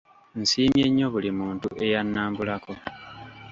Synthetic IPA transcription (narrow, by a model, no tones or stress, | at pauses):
nsiːmje̞ɲːo̞βulimuːntuʔe̞janːaːmbulako̞